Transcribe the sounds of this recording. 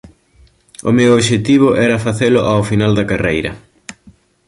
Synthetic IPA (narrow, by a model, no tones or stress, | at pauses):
ʊ̰mewoβʃet̪iβ̞ʊʔɛɾɐfaθelʊʔawfinald̪ɐkarejɾɐ̰